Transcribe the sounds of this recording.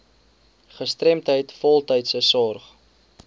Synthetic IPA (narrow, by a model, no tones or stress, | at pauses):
χəstrɛmtɦəjtfɔlˠtəjtsəsɔrχ